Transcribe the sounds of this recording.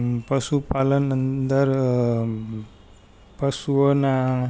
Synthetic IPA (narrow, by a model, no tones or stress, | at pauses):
pəsupalənənd̪əɾ | pəsuəna